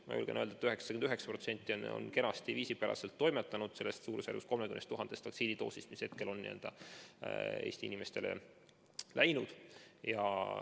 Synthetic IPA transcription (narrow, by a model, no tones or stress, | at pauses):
mɑ̰jṵlɡ̥enøːld̪ɑet̪yɦeksɑ̥kynd̪yɦeksɑ̥pro̞t̪se̞nʲt̪ːˑino̰nke̞nɑst̪iviːsipæɾʔɑ̰selt̪ːo̞jmet̪ːˑɑnud̪̥se̞lːest̪suːɾusjærɡust̪ko̞lmekymnest̪uɦɑnd̪̥e̞st̪ʰːɑk̪siːd̪it̪o̞̰ːsist̪mishe̞t̪̚ke̞lo̞nnḭḛld̪̥ɑ | e̞̰ːst̪iḭnime̞st̪e̞lḛ | læjnud̪̥jɑ̰